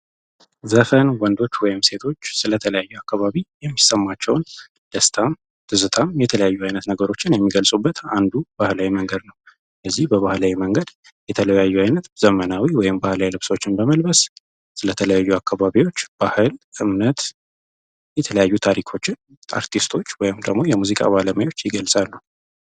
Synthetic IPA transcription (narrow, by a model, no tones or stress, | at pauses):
zəfənwɔnd̪o̞t͡ʃːwɔjɪmse̞t̪ʰo̞t͡ʃːsɨlət̪ʰələjajːuakːaβaβijɛmːisːəmːat͡ʃːɛwn | d̪̥əst̪ʰam | t̪ʰɨzɨt̪ʰamjɛt̪ʰələjajːuajnət̪nəɡəɾo̞t͡ʃːɪnjɛmːiɡəlsʼubːət̪and̪ub̥ahlawiməŋɡəd̪nəw | ləzːihbəβahlawiməŋɡəd̪ | jɛt̪ʰələjajːuajnət̪z̥əmənawiwɔjɪmbahlawilɨβ̥so̞t͡ʃːɪnbəməlbəs | sɨlət̪ʰələjajːuakʰːaβaβiwo̞t͡ʃːb̥ahɨlʔɨmnət̪ | jɛt̪ʰələjajːut̪ʰaɾikʰo̞t͡ʃːɪn | a̰ɾt̪ʰist̪ʰo̞t͡ʃːwɔjɪmd̪əɡmo̞jɛmuzikʼa̰βaləməjo̞t͡ʃːjɪɡəlsʼalːuh